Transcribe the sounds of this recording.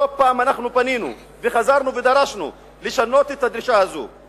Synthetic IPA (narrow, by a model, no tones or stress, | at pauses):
opaːmanaχnupaninṵ | veχazaɾnuved̪aɾaʃnṵ | liʃanot̪et̪ːad̪ɾiʃahazṵ